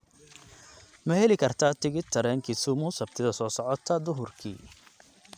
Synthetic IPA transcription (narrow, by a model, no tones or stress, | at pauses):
mɐɦɛlɪkʰɐrt̪ʰaːt̪ʰɪɣɪt̪ʰːɐɾɛːŋkʰɪsʊmʊsɐbt̪ʰɪðɐsɔːsɔʕɔt̪ʰɐd̪ʊɦʊrkʰḭː